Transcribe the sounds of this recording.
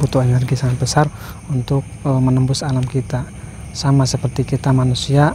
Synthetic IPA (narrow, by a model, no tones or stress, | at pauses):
but̪uɛnɛrɡisaŋabəsar | unt̪ʊk̚mənəmbʊsalamkit̪a | samasəpərt̪ikit̪amanusia